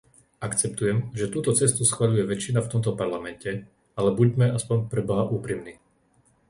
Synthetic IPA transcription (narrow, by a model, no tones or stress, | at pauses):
akt͡sɛp̚t̪ujɛmʒɛt̪uːt̪ɔt͡sɛst̪usxʋaʎujɛʋɛt͡ʃːinaft̪ɔmt̪̬ɔpaɾlamɛncɛ | alɛbuɟmɛaspɔɲpɾɛbɔɦaʔuːpɾimniː